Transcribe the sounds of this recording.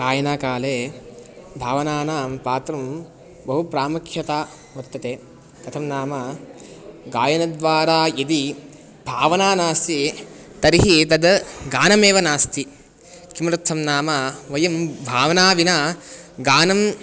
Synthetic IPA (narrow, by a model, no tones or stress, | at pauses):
ɡ̥aːjɐnaːkaːleː | bʱaːʋɐnaːnaːmpaːt̪ɾɐm | bɐɦupɾaːmɐkʰjɐt̪aː | ʋɐt̪ːɐt̪eː | kɐt̪ʰɐmnaːma | ɡaːjɐnɐd̪ʋaːɾaːjid̪i | b̥ʱaːʋɐnaːnaːst̪i | t̪ɐɾiɦit̪ɐd̪ɡaːnɐmeːʋɐnaːst̪ʰi | kimɾɐt̪ʰːɐmnaːmaʋɐjɐmbʱaːʋɐnaːʋinaːɡaːnɐm